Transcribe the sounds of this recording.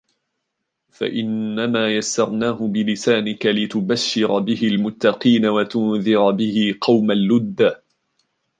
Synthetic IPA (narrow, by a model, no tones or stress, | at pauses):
fa̰ʔɪnːamaːjasːɑɾˤnaːɦʊbɪlɪsaːnɪkalɪt̪ʊbaʃːɪɾbɪhɪlmʊt̪ːɑqiːnawat̪ʊnðɪɾbɪhɪqɑwmalːʊd̪ːa